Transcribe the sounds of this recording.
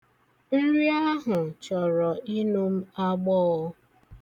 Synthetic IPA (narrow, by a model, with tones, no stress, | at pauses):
n̩˦ɾi˦a˦ɦʊ˨t͡ʃɔ˨ɾɔ˨i˦nu˦m̩˦a˦ɡ͡bɔː˦